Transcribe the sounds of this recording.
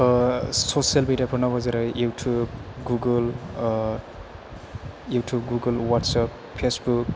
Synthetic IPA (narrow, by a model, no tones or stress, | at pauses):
sosijʌlmeɖjapʰuɾnʌbʌzaɾʌjuʈʰubɡuɡəl | juʈʰub̚ɡuɡʌlwaʈsap | pʰesbuk̚